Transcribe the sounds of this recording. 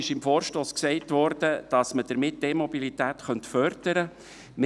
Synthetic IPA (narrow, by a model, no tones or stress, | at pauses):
ɪʃɪmfoːɾʃtoːsksɛɪtʋɔːɾdəd̥ɑsməd̥əɾmɪt̚d̥emɔbilit̪æːt̪χœntfœɾd̥əɾə | m